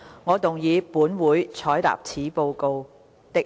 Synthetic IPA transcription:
ŋɔː˨˧t̪ʊ˨ŋjiː˨˧puː˨˥nwuː˨˥jt͡sʰɔː˨˥jt̪a̰ː˨p̚t͡sʰiː˨˥po˧wko˧w | t̪ɪ˧

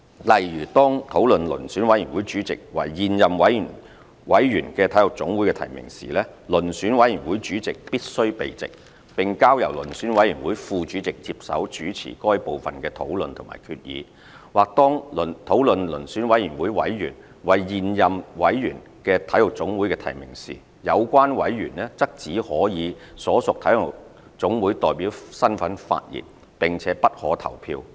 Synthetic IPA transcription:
lɐ˨˩jjyː˨˩t̪ɔː˥ŋt̪ʰo˨˥wlɵ˨nlɵ̰˨˩nsyː˨˥nwɐ˨˥jyː˨˩nwuː˨˥jt͡ʃyː˨˥t͡sɪ˨k̚wɐ̰˨˩jjiː˨njɐ˨mwɐ˨˥jn | wɐ˨˥jjyː˨˩nkɛː˧t̪ʰɐ˨˥jlʊ˨k̚t͡sʊ˨˥ŋwuː˨˥jkɛː˧t̪ʰɐ̰˨˩jmɪ̰˨˩ŋsḭː˨˩lɛː˥lɵ˨˩nsyː˨˥nwɐ˨˥jjyː˨˩nwuː˨˥jt͡ʃyː˨˥t͡sɪ˨k̚piː˥t̚sɵ˥ɥpḛ˨jt͡sɪ̰˨k̚ | pɪ˨ŋkaː˥wjɐ˨˩wlɵ̰˨˩nsyː˨˥nwɐ˨˥jyː˨˩nwuː˨˥jfuː˨˧t͡ʃyː˨˥t͡sɪ˨k̚t͡si˧p̚sɐ̰˨˥wt͡ʃyː˨˥t͡sʰḭː˨˩kɔː˥jpo˨wfɐ˨nkɛː˧t̪ʰo˨˥wlɵ˨nt̪ʰʊ˨˩ŋma̰ː˨˩jkʰyː˧t̚jḭː˨˧ | waː˨k̚t̪ɔː˥ŋlnt̪ʰo˨˥wlɵ˨nlɵ˨˩nsyː˨˥nwɐ˨˥jyː˨˩nwuː˨˥jwɐ̰˨˥jjyː˨˩n | wɐ˨jːiː˨njɐ˨mwɐ˨˥jjyː˨˩n | kɛː˧t̪ʰɐ˨˥jhʊ˨˩k̚t͡sʊ˨˥ŋwuː˨˥jkɛː˧t̪ʰɐ˨˩jmɪ̰˨˩ŋsḭː˨˩ | jɐ˨˧wkʷaː˥nwɐ˨˥jjyː˨˩nlɛː˥t͡sɐ˥k̚t͡siː˨˥hɔː˨˥jiː˨˧sɔː˨˥sʊ˨k̚t̪ʰɐ˨˥jhʊ˨k̚ | t͡sʊ˨˥ŋwuː˨˥jt̪ɔː˨jpiː˨˥wsɐ˥nfɐ˨˥nfa̰ː˧t̚jḭː˨˩n̚ | pɪ˨ŋt͡sʰɛː˨˥pɐ˥t̚hɔ̰ː˨˥t̪ʰɐ̰˨˩wpʰḭː˧w

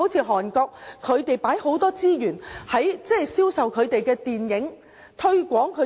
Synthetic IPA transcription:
o˨˥wt͡sʰiː˧ɦɔː˨˩nkɔː˧k̚kʰːɵ˨˧ɥt̪e˨jpaː˨˥jho˨˥wt̪ɔː˥t͡siː˥jyː˨˩nhɐ˨˥jt͡sɛ˥siː˥wsɐ˨wkʰɵ˨˧ɥt̪e˨jkɛː˧t̪iː˨njɪ˨˥ŋ | t̪ʰɵ˥ɥkʷɔː˨˥ŋkʰɵ˨˧

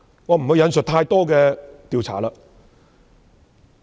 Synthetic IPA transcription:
waː˨˧m̩˨˩hɵ˨˥jɐ˨˧nsɵ˨t̚t̪ʰaː˧jt̪ɔː˥kɛː˧t̪iː˨˧wt͡sʰa̰ː˨˩laː˧

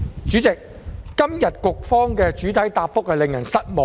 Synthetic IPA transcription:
t͡syː˨˥t͡sɪ˨k̚ː | ɐ˥mjɐ˨t̚kʊ˨k̚fɔː˥ŋkɛː˧t͡ʃyː˨˥t̪ʰɐ˨˥jt̪aː˧p̚fʊ˥k̚hɐ˨jlɪ˨ŋjɐ˨˩nsɐ˥t̚mo˨

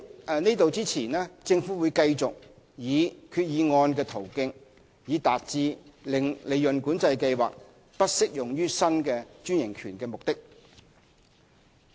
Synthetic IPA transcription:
niː˥t̪o˨wt͡siː˥t͡sʰiː˨˩nɛː˥t͡sɪ˧ŋfuː˨˥wu˨˧jkɐ˧jt͡sʊ˨k̚ | jiː˨˧kʰyː˧t̚jiː˨˧ŋɔː˧nk̬ɛː˧t̪ʰo˨˩wkɪ˧ŋ | jiː˨˧t̪aː˨t̚t͡siː˧lɪ˨ŋle˨jːɵ˨nkuː˨˥nt͡sɐ˧jkɐ˧jwa̰ː˨k̚ | pɐ˥t̚sɪ˥k̚jʊ˨˩ŋjyː˥sɐ˥nkɛː˧t͡ʃyː˥njɪ˨˩ŋkʰyː˨˩nkɛː˧mʊ˨k̚t̪ɪ˥k̚

